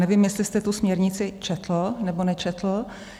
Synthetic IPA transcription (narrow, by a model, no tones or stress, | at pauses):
nɛvɪmjɛst̪lɪst̪ɛt̪usmɲɛɾɲɪt͡sɪt͡ʃɛt̪lonɛbonɛt͡ʃɛt̪lo